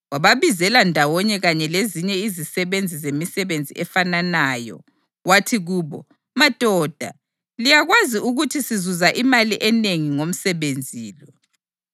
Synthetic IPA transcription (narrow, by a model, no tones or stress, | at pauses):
waβaβizɛlandʱawɔɲɛɣaɲɛleziɲɛizisɛβend͡zʱizemisɛβend͡zʱḭʔɛfananaːjɔ̰ | watʰiɣuːβɔ | mad̥ʱɔːd̥ʱa̰ | lijaɣwaziuɣutʰisizuzaʔimaliʔɛneŋiŋom̩sɛβend͡zʱiːlɔ